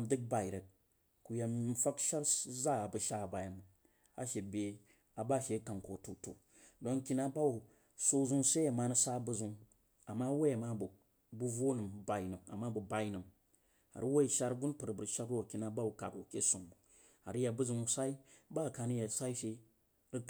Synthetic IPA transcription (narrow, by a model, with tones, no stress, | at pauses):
a˨mdɨ˦k̚ba˨i˨ɾe˨k̚ | ku˨ja˨m̩˦fa˦kʃa˦ɾza˦˨a˨bɨ˨ʃa˦˨ba˨ja˨m˨ | a̰˨ʃe˨bʲe˨ | a˨ba˦˨ʃe˨˦ka˨ŋko˨tu˨tṵ˨ | do˦ŋkʲi˦na˦ba˦u˨ | so˧zu˦ŋ˦se˦a˨ma˨nɨ˦sa˦bu˦zu˨ŋ | a˨mːa˦wo˦ja˨ma˦bu˨ | bu˦vo˦nɨ˨m˨ba˨i˨nɨ˨a̰˨mːa˦bu˨ba˨i˦nɨ˨m | a̰˨ɾɨ˦wo˦i˨ʃa˦ɾɡu˦npɨ˨ɾbɨ˨ʃa˦ko˦˨kʲi˨na˦ba˦wu˨ka̰˨ko˨kʲe˦su˨ŋ˨ | a̰˨ɾɨ˦ja˨bu˦zu˨ŋ˦sa˦i˦ba˦˨ka˨˧nɨ˦ja˨sa˦i˦ʃe˦ | ɾɨ˦